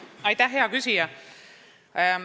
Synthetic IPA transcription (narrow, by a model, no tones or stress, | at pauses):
ɑjt̪æɦɦe̞ɑkysijɑ